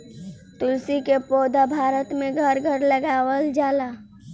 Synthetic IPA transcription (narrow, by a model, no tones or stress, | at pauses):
t̪ʊlsikepoːd̪abʱaːɾət̪mẽɡʱəɾɡʱəɾləɡaːwəld͡ʒaːlaː